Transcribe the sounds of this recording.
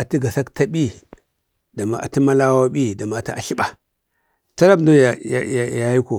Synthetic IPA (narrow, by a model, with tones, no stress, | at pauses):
a˨ti˦ɡa˨sa˦kta˦ɓi˦ | da˨ma̰˨ʔa̰˨ti˦ma˦la˦wa˦ɓi˦da˨ma˨ta˦ʔa˨ʃi˦ɓa˨ | ta˦la˦bdo˦ja˨ja˨ja˨ja˨ji˦ko˨